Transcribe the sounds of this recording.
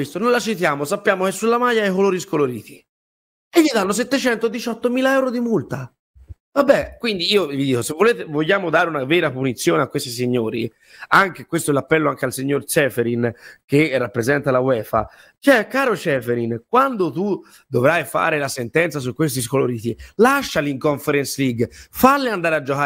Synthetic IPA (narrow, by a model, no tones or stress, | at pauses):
est̪onõnlat͡ʃit̪jaːmosapːjaːmok̟esːulːamajːaɛjkoloːɾiskoloɾiːt̪i | eʎːid̪anːos̬ɛt̪ːet͡ʃɛnt̪od̪it͡ʃɔt̪ːomiːlaɛwɾod̪imult̪a | vabːɛkːwind̪iiːovid̪iːkosevːoleːt̪evoʎːaːmod̪aːɾeunavɛːɾapunit̪sːjoːneakːwest̪is̬iɲːoːɾi | aŋkekwest̪oɛlapːɛlːoaŋkealsiɲːort͡ʃɛːfeɾinkerːapːɾezɛnt̪alawɛːfa̰ | t͡ʃɛkːaːɾot͡ʃɛːfeɾinkwand̪ot̪u | d̪ovɾajfa̰ːɾelasent̪ɛnt̪sas̬ukːwest̪iskoloɾiːt̪ilaʃːaliŋkoɱfeɾɛnsliɡfalːeand̪aːɾead͡ʒokaː